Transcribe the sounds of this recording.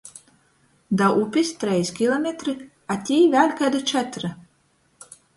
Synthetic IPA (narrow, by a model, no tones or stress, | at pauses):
d̪aʔupʲist̪ɾɛjskʲilˠɔmʲet̪ɾi | at̪ʲiːvʲæːlʲkad̪at͡ʃɛt̪ɾa